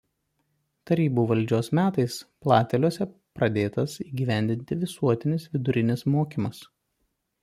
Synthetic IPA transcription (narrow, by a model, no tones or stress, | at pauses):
t̪ɐɾʲiːbuːʋɐlʲd͡ʒʲoːsmʲæːt̪ɐɪsplˠɑːt̪ʲɛlʲuɔsʲɛ | pɾɐd̪ʲeːt̪ɐsiːɡʲiːʋʲæˑnʲd̪ʲɪnʲt̪ʲɪʋʲɪsuɔt̪ʲɪnʲɪsʋʲɪd̪ʊɾʲɪnʲɪsmoːkʲiːmɐs